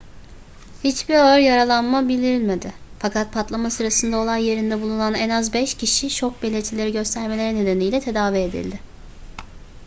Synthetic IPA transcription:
hit͡ʃbiɾøɾjaɾalˠanmabilʲd̪iɾilʲme̞d̪ɪfakʰat̪̚pʰat̪lˠamasɯɾasɯnd̪ao̞lˠajje̞ɾind̪ɛbulˠunanɛnazbɛʃcʰiʃit͡ʃʰo̞k̚belʲet̪ʰilʲe̞ɾiɟø̞st̪ʰæɾme̞lʲe̞ɾɛne̞d̪e̞nijlʲɛt̪ʰe̞d̪aːvied̪ḭlʲd̪ɪ

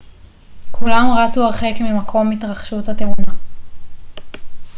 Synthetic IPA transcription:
kʰulamʁat͡suaʁχekmimakʰo̞mitʁaχʃuthatemuna

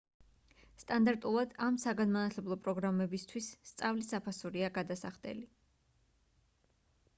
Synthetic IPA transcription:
st̪ʼand̪aɾt̪ʼulˠad̪amsaɡanmanat̪ʰlɛblˠɔpʼɾɔɡɾamɛbist̪ʰwisːt̪sʼavlisapʰasuɾiaɡad̪asaχd̪ɛ̰li

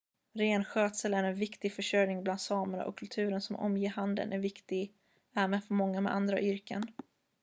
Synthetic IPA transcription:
ɾeːnɧøːt̪səlæɾɛnvɪkt̪ɪɡfœʂœjnɪŋbland̪sɑːməna̰ʔɔ̰kʰːɵlt̪ʰʉ̟ːɾənsɔmʔɔ̰mjeːhand̪ə̰nʔæɾvɪkt̪ɪɡ | æːmɛfœɾmɔŋːamɛ̰d̪and̪ɾa̰ʔʏɾkə̰n

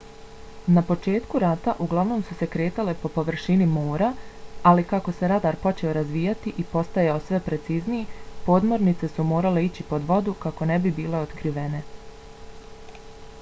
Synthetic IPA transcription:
napo̞t͡ʃe̞ːt̪kuɾat̪aʔuɡlˠaʋno̞ːmsuse̞kɾe̞ːt̪ale̞po̞po̞ʋr̩ʃinimo̞ːɾaːlikako̞se̞ɾad̪aɾpo̞t͡ʃe̞o̞ɾazʋiːjat̪iʔipo̞st̪ajaosʋe̞pɾe̞t̪siːznijipo̞ːd̪mo̞ɾnit̪se̞sumo̞ːɾale̞it͡ɕipo̞d̪ʋo̞d̪ukako̞ne̞bibiːle̞o̞t̪kɾiʋe̞ne̞

